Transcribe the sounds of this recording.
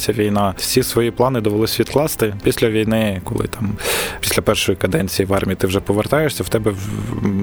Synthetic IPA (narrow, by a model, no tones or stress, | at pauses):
sʲɐʋʲijnɑwsʲisʋɔjiplˠɑnɪd̪ɔʋelˠɪsʲʋʲid̪klˠɑst̪ɪpʲisʲlʲɐʋʲijnɪkɔ̰lˠɪ̰t̪ɑmpi̥sʲlʲɐpɛrʃɔjikɐd̪ɛnʲt͡sʲijiʋɑrmʲijit̪ɪwʒɛpɔʋert̪ɑjeʃsʲɐwt̪ɛbɛ